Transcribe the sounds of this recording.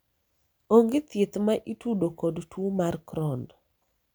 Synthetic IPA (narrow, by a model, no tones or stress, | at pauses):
oŋɡet̪ɪt̪maʔitudokɔdtwomarkɾɔnd